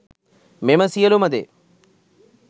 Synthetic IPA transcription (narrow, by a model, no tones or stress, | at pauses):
memɐsijɐlumɐd̪ḛ